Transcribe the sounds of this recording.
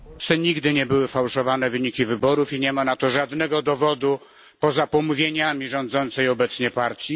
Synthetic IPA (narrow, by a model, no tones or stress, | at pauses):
sɛɲiɡd̪ɘɲɛbɘwɘfawʂɔvanɛvɘɲikʲivɘbɔɾufiɲɛmanat̪ɔʐad̪nɛɡɔd̪ɔvɔd̪u | pɔzapɔmuvʲjeɲamʲiʐɔ̃nd̪zɔnt̪sɛjɔbɛt̪sɲɛpaɾt̪ʲji